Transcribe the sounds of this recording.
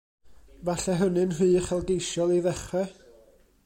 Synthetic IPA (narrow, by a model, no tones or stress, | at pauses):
vaɬɛɦənɨnhɨːχɛlˠdejʃjɔlˠiðɛχwɛ